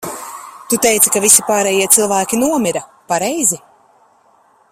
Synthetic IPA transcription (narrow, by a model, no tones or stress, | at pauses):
t̪ut̪ɛjt̪sikavisipaːɾɛːjiɛt̪sɨlˠvæːkʲinuɔmiɾapaɾɛjzi